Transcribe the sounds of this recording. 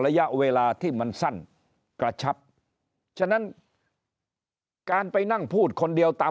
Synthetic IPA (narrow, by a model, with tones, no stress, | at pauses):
ɾa˧ja˦˥ʔweː˧laː˧t̪ʰiː˥˩ma˧nsa˥˩n | kɾa˧t͡ɕʰa˦˥p̚ | t͡ɕʰa˥˩na˦˥n | kaː˧npa˧jna˥˩ŋpʰuː˥˩t̪̚kʰo˧ndi˧əwt̪aː˧